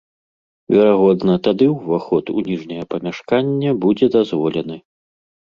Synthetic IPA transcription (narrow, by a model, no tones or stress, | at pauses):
vʲɛɾaɣɔd̪nɐt̪ad̪ɨwvaxɔt̪ṵnʲiʐnʲɐjɐpɐmʲaʂkanʲːɛbud͡zʲɛd̪azvɔlʲɛnɨ